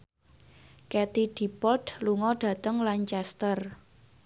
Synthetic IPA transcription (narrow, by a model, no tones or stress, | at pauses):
kɛt̪iɖ̥i̤pɔld̪luŋɔɖ̥ä̤t̪əŋlant͡ʃɛst̪ər